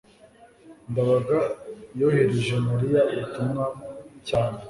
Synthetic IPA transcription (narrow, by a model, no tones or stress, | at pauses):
ndaβaɡajoheɾeʒemuɾijautumŋacaːne